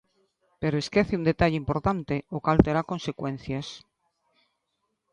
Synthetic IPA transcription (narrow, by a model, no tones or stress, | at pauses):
peɾoeskeθeund̪et̪aʎeimpo̞ɾt̪ant̪eokalt̪eɾako̞nsekwen̟θjas